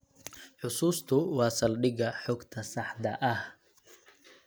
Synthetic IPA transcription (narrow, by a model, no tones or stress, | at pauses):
ħʊsuːst̪ʰʊwɑːsɐlɖɪɣɐħɔɡt̪ʰɐsɑħd̪ɐʔɐh